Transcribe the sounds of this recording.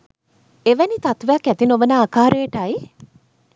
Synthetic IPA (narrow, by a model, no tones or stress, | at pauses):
eʋænit̪at̪ʋejakæt̪inoʋənaːkaːɾejːʈaj